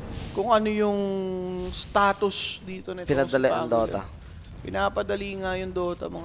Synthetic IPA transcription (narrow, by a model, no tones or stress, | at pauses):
kʊŋʔɐnojʊŋ | st̪aːt̪ʊsd̪iːt̪onɐɪpɪnɐd̪ɐlɛʔɐ̰ŋd̪oːt̪ɐ̰ | pɪnaːpɐd̪ɐliːŋɐjʊŋd̪oːt̪ɐ̰mɐŋ